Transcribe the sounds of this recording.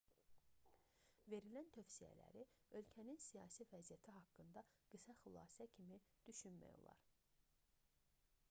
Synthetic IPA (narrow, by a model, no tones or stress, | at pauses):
ve̞ɾilænt̪ʰøfsijæ̰læ̰ɾiø̞lcʰæninsijɑ̰ːsivæzijæt̪ʰiɦɑkːɯnd̪ɑɡ̥ɯsɑxylˠɑ̰ːsæcʰimid̪̥yʃynmæ̰jo̞̰lˠɑ̰ɾ